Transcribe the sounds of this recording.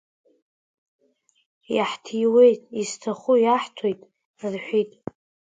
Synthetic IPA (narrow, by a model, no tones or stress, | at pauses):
jaħtʰijwe̞jtʼistʰaχujaħtʰojtʼ | rħʷᶣitʼ